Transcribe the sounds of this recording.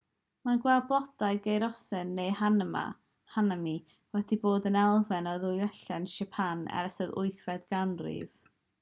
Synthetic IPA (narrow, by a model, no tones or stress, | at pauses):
manɡwɛlˠblˠɔd̥aɨɡejɾɔsɨnːejhanəma̰ | hanami | wɛdiboːdənɛlˠvɛnɔðʊjɛɬɛnʃɛpʰanɛ̰ɾɛsəðʊ̰ɨθwɛdɡ̥andrḭv̥